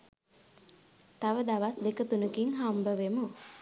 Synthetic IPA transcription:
t̪aʋəd̪aʋasd̪ekət̪unəkiŋɦambəʋemu

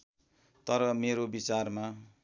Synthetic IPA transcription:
t̪ʌɾʌmeɾobit͡sarma

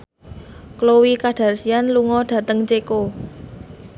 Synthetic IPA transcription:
klowikaɖ̥a̤rsijanluŋɔɖ̥ä̤t̪əŋt͡ʃeko

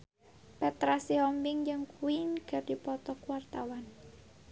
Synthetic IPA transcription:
pɛt̪ɾasiɔmbɪŋd͡ʒɨŋkuinɡ̥a̤rd̥ipɔt̪ɔkwart̪awan

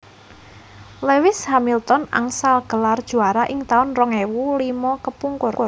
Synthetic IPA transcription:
lewɪshamilt̪ɔna̰ŋsalɡ̥əlard̥ʒ̥uaɾaʔɪŋt̪aʊnrɔŋewulimɔkəpuŋkʊrʊr

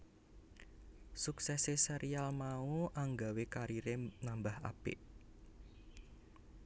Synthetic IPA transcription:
suksɛseseɾialmauʔaŋɡawekaɾiɾenambaha̰pɪ̰ʔ

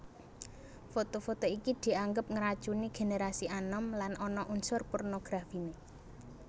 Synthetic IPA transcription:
fot̪ofot̪oikid̪̥i̤aŋɡəp̚ŋəɾad̥ʒ̥uniɡ̥e̤neɾasiʔanɔmlanʔɔnɔʔunsʊrpornoɡ̥ɾafine

